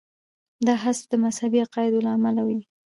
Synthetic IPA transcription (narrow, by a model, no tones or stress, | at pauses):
d̪ɑɦasfd̪əmashabiɑqɑɪd̪olaːmalawi